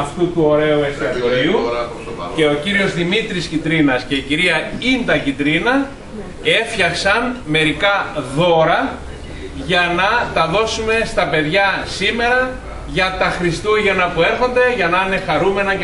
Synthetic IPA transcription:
ɐft̪ut̪uo̞ɾe̞uekst̪iɐoɾiu | e̞o̞ciɾio̞zðimit̪ɾiscid̪ɾinɐsce̞iciɾiɐind̪ɐcid̪ɾinɐ | e̞fçɐksɐnme̞ɾikɐðo̞ɾɐ | ʝɐnɐt̪ɐðo̞sume̞st̪ɐpe̞ðʝɐsime̞ɾɐ | ʝɐt̪ɐxɾist̪uʝɐnɐpue̞ɾxo̞nd̪e̞ʝɐnɐine̞xɐɾume̞nɐ

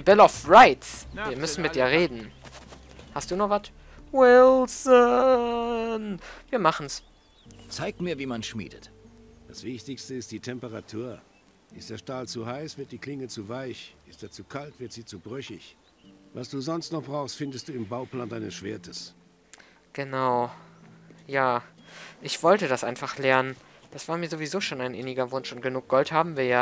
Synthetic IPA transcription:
bɛlɔfʁaɪtsviːɐmʏsn̩mɪt̚d̥iːɐʁeːdn̩ | hast̚d̥uːnɔχvat | wɪlsɔ | nviːɐmaχn̩s | t͡saɪk̚tmiːɐviːmanʃmḭːdət | d̥asv̥ɪçtɪçstəɪst̚d̥iːtʰɛmpəʁatʰuːɐ | ʔɪstd̥eːɐʃtaːlt͡suhaɪsv̥ɪɐt̚d̥iːkʰl̥ɪŋət͡suvaɪçʔɪstd̥eːɐt͡sukʰaltv̥ɪɐtz̥iːt͡subʁœçɪç | vasd̥uːzɔnstnɔχb̥ʁaʊxstfɪndəstd̥uːɪmbaʊplaːndaɪnəsʃv̥eːɐtʰəs | ɡ̥ənaʊ | jaːʔɪçv̥ɔltədasʔaɪnfaχlɛɐnən | d̥asv̥aːɐmiːɐzovizoːʃoːnaɪnʔɪnɪɡɐvʊnʃʊnt̚ɡ̥ənuːk̚ɡ̥ɔlthaːbm̩viːɐjaː

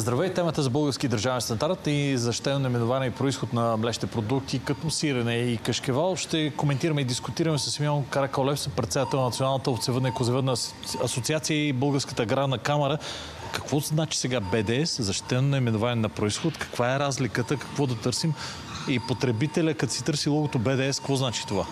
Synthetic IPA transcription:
zd̪ɾɐvɛit̪ɛmət̪əzɐbɤlˠɡəɾskʲid̪əɾʒavɛnst̪ɐnd̪aɾt̪izɐʃt̪i̥t̪ɛnonimɛnʊvanɛipɾoisxot̪nɐmlɛʃt̪ɛpɾod̪uk̚t̪ikɐt̪ɔsiɾɐnɛikəʃk̟ɛvalˠʃt̪ɛkomɛnt̪iɾəmɛid̪iskʊt̪iɾɐmɛsəsːmiɔnkɐɾɛkɐwlɛfsɛnpɾɛt̪sɛd̪ət̪ɛlˠnɐnt̪ionalˠnət̪əot̪sɛvəd̪nəikozɛvəd̪nə | ɐsot̪siat̪sijəibɤlˠɡəɾskə̥t̪əɡɾad̪nɐkamɐɾə | kɐkvɔznat͡ʃi̥sɛɡabɛd̪ɛɛszɐʃt̪i̥t̪ɛnonɐimɛnovanɛnɐpɾoisxot̪kɐ̥kvaɛɾazlikət̪əkɐ̥kvɔd̪ɐt̪ɤɾsim | ipot̪ɾɛbit̪ɛlʲəkɐt̪sit̪ɤɾsilˠɔɡot̪obɛd̪ɛɛskvɔznat͡ʃi̥t̪ova

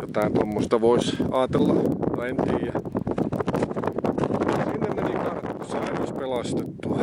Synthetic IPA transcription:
jot̪ɑˑint̪omːost̪ɑʋoisɑːt̪elːɑent̪iːjɑ | sinːenelikɑrt̪ːsɑinoispelɑst̪et̪ːu

